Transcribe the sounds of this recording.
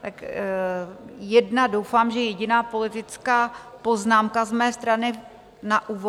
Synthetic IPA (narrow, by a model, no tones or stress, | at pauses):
t̪ak | jɛdnadowfaːmʒɛjɛɟɪnaːpo̞lɪt̪ɪt͡skaːpo̞znaːmkazmɛːst̪ɾanɪ | naʔuːvo